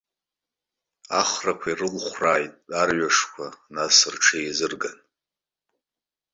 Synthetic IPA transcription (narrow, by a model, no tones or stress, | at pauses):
aχrakʷʰairɨlχʷraːjtʼarɥaʂkʷʰanasɨrʈ͡ʂʰejzɨrɡan